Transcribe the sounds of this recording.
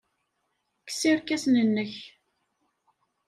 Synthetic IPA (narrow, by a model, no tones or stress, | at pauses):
kːə̥siɾkæsnənːəç